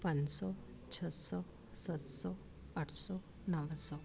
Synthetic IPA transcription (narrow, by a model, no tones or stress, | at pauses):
pənsɔ | t͡ʃʰəsɔ | sət̪sɔ | əʈʰsɔ | nəʋəsɔ